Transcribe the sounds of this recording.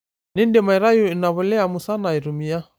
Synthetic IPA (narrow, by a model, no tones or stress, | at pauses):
nindɛmaiɾajuinaβɔlɛamusanaiɾumia